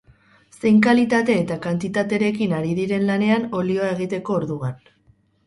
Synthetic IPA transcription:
se̞jŋkalit̪at̪e̞ːt̪akant̪it̪at̪e̞ɾe̞kinaɾiðiɾe̞nlane̞ano̞lio̞ae̞ɣ̞it̪e̞ko̞ːɾðuɣan

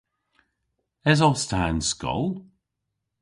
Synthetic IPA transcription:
ɛzɔstʰaənskɔ̰lˠ

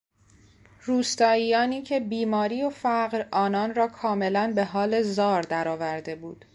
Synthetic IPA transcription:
ruːst̪ɒːiːjɒːniːcʰe̞biːmɒːɾiːofæɢɾɒːnɒːnrɒːkʰɒːme̞lænbe̞ɦɒːle̞zɒːɾd̪æɾɒːvæɾd̪e̞buːd̪̥

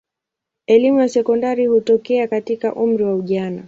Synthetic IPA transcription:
ɛlimujasɛkɔndaɾihutɔkɛakatikaʔum̩ɾiwauʄana

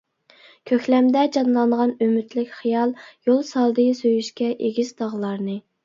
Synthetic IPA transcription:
kʲʰøkʲlɛmd̪ɛd͡ʒɑnlˠɑɴʁɑnømyt̪lɪkʲχijɑlˠjolˠsɑlˠd̪ɨsøjyʃkʲɛʔeɡʲizd̪ɑʁlˠɑɾnɨ

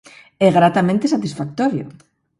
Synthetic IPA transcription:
ɛɣɾat̪amẽnt̪esat̪isfak̚t̪oɾjo̰

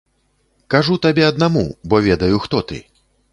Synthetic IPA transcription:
kaʐut̪abʲɛɐd̪namṵbɔvʲɛd̪ɐjuxt̪ɔt̪ɨ̰

